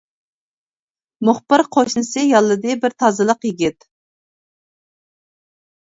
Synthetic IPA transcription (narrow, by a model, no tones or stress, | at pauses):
mʊχpɨɾqʰoʃnɨsɨjɑlˠːɨd̪ɨbɪɾt̪ʰɑzɨlˠəqjɪɡʲɪt̪